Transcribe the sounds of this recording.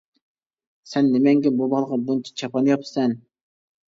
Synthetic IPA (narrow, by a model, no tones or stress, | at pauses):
sɛnːɪmɛŋɡʲɛbubɑlˠəʁɑbunt͡ʃʰɛ̥t͡ʃʰɑpɑnɨjɑpsɛn